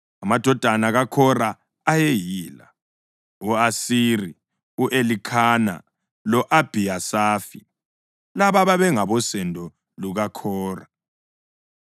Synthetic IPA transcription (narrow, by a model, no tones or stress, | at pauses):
amad̥ʱɔd̥ʱanaɣakʰɔraː | jejiːla̰ | uasiri | uʔelikʰana̰ | lɔʔab̥ʱiasaːfi | laβaβaβɛŋaβɔsɛndʱɔ | luɣakʰɔːra